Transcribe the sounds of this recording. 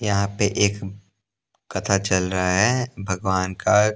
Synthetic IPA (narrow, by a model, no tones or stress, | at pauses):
jɐɦãpeʔeːk | kɐt̪ʰat͡ʃɐlɾɐɦaɦɛbʱɐɡʋaːnka